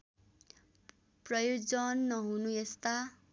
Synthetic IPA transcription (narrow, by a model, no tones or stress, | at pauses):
prʌjod͡zʌnːʌɦunuest̪a